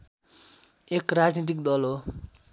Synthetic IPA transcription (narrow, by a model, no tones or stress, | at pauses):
ekrad͡znit̪̬ikd̪ʌlo